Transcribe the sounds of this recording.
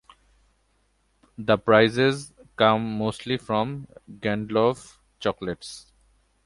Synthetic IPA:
d̪əpɾaɪzezkʌ̃mːoːsʈlifɾɔ̃mɡæ̃ɳɖlɔv | t͡ʃɔkleʈs

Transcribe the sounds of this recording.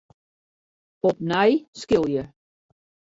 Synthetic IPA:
ɔp̚najskɪlˠjə

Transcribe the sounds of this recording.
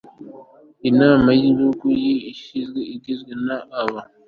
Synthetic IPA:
inaːmajiβuɡujiiʃizɡeiɟizɡwenaːβa

